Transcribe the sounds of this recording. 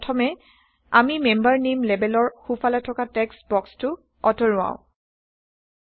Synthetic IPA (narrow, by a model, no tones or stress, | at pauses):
tʰɔmɛ | a̰mimembaɹnemlɛbɛlɔɹxufalatʰɔkatɛksbɔkstʊ | ɔtɔɹʊwã̰ʊ̃